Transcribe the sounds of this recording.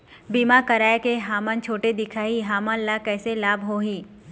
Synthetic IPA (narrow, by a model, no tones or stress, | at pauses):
biːmakɐɾaːjkeɦaːmə̃nt͡ʃʰoːʈed̪ɪkʰaːɦiɦaːmãnlakɛːselaːbɦoːɦĩː